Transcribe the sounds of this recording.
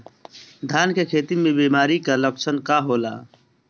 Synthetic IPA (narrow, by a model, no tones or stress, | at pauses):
d̪ʱaːnkekʰeːt̪imẽbiːmaːɾikaləkt͡ʃʰənkaɦoːla̰ː